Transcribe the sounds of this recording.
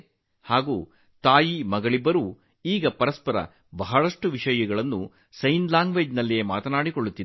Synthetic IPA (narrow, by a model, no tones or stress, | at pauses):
haːɡuː | t̪aːjimɐɡɐɭibːɐɾuː | iːɡɐpɐɾɐspɐɾɐ̰ | bɐɦɐɭɐʂʈuʋiʂɐjɐɡɐɭɐnːṵ | sɐjnlaːŋɡʋeːd͡ʒnɐlːijeːma̰ːt̪ɐnaːɽikoɭːut̪ːid̪